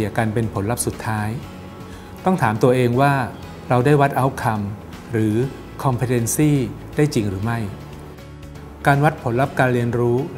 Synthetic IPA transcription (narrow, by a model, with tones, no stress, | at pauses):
ə˩kaː˧npe˧npʰo˩˦nla˦˥p̚su˨˩t̪ʰːaː˦˥j | t̪ɔ˥˩ŋt̪ʰaː˩˦mt̪u˧ɐʔeː˧ŋwaː˥˩ | ɾa˧wdaː˥˩jwa˦˥t̪̚ʔa˦˥wkʰa˧m | ɾɯː˩˦ | kʰɔ˧mpʰi˧˩t̪e˧nsiː˥˩ | daː˥˩jt͡ɕi˧ŋɾɯː˩˦ma˥˩j | kaː˧nwa˦˥t̪̚pʰo˩˦nla˦˥p̚kaː˧nɾi˧ənɾuː˦˥